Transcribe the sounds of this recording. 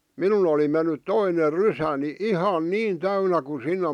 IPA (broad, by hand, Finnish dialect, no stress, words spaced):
minun oli menːyt toiner rysæni ihɑn niːn tæynæ ku sinːe